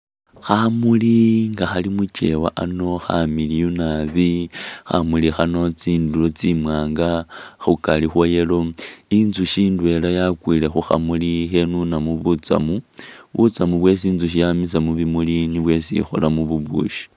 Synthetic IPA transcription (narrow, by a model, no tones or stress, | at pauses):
xamuliŋɡaxalimut͡ʃe̞̰waʔano̞xa̰milijunaβixa̰mulixano̞t͡siːndulot͡simwaːŋɡaxukalixwojelo̞inzuʃiːndwe̞lajakwile̞xuxa̰mulixe̞nunamuβut͡sa̰muβut͡samuβwe̞siːnzuʃ̬ijamis̬amuβimuliniβwe̞sḭxo̰lamuβuβṵːʃi̥